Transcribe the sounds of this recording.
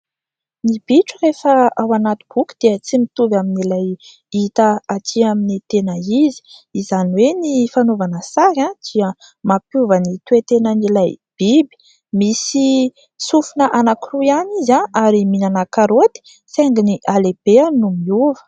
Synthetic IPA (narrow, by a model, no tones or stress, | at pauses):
nib̥iʈ͡ʂurefəawanat̪u̥b̥ukid̪̥eət͡simit̪uvaminilaj | it̪aat̪ʰiaminit̪enaizi̥izaniwenifanovanəsaɾãd̪̥iə | mapjuvənit̪wet̪enənilajb̥ibi̥ | misi | sufunəʔanakiruanizãaɾiminanakaɾot̪i̥ | seŋɡiniʔaleb̥eanumiuvə̥